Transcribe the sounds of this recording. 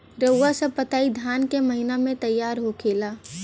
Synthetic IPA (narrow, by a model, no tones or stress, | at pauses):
ɾəwːasəpət̪aːid̪ʱjaːnkeməɦɪnamẽt̪ɐjːaːɾɦokʰeːlaː